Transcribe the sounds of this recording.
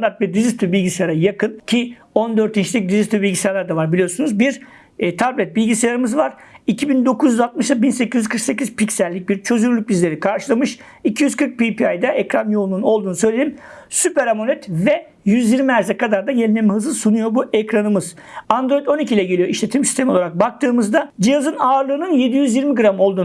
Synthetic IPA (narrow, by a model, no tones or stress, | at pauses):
nd̪aɾt̪vɛd̪izist̪ʰybilʲɟisejaɾajakɯncʰi | o̞nd̪øɾt̪ʰint͡ʃlʲic̚d̪izist̪ybilʲɟisajalˠaɾd̪avaɾbilʲijo̞sunuzbiɾ | t̪ʰablʲɛt̪̚bilʲɟisajaɾɯmɯzvaɾ̥icʰibind̪o̞kʰuzjyzalt̪̚mɯʃt̪abinse̞cizyzkʰɯɾkse̞c̬iz̥picsælʲːic̚biɾt͡ʃʰø̞zylylʲyc̚bizlʲe̞ɾikʰaɾʃɯlˠamɯʃ | icʰijyz̥kʰɯɾk̚pipiajd̪ɛʔɛcɾanjolˠununo̞lˠd̪uːnusø̞jlʲeimsypɛɾamonɛt̪vɛ | jyzjiɾmiæɾzɛkad̪aɾd̪ajelʲnʲemɛɦɯzɯsunujo̞buʔɛkɾanɯmɯz̥ | and̪ɾo̞jid̪o̞nicʰilʲˠɛɟelʲijoiʃlʲe̞t̪ʰimsi̥st̪ʰemio̞lˠaɾak̚bak̚t̪ʰɯːmɯzd̪ad͡ʒijazɯnaːɾlˠɯːnɯnje̞d̪ijyzjiɾmiɡɯɾamo̞lˠd̪uː